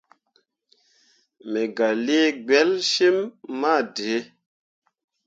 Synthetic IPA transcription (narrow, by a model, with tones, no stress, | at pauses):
me˨ɡa˨le˦e˦ɡ͡bɛ˨˦lʃe˦mːa˦˨de˨˦